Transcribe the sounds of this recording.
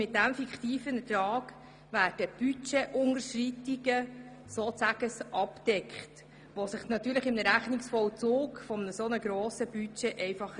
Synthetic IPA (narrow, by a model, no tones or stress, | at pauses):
mɪt̚dæmfikχt̪iːfənətɾɑːɡ | ʋæːd̥əb̥yt͡ʃeʔʊnəʃritiɡə | soːt͡sæɡ̥əsʔɑpd̥ɛkχt | ʋosɪχnɑt̪ːyːɾləχɪmnəɾæχnɪksfɔwt͡suːkfɔmnəsonəɡɾoːsəb̥yt͡ʃeʔɛɪfɑχ